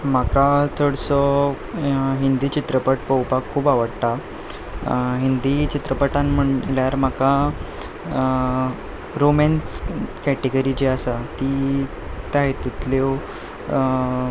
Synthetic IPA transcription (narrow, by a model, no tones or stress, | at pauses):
m̤akat͡səɽsɔ | ɦind̪iːt͡ɕit̪ɾəpəʈpəwpakʰːuːbaʋəɽt̪a | ɦind̪it͡ɕit̪ɾəpəʈãnm̤əɳljaɾm̤aka | ɾomɛnskɛʈeɡəɾid͡ʑeasat̪iː | t̪aɦet̪ut̪lew